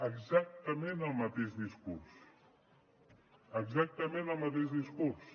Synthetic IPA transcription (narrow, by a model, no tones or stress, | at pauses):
əɡzak̚t̪əmẽnəlˠmət̪eʒðiskuɾs | əɡzak̚t̪əmẽnəlˠmət̪eʒðiskuɾs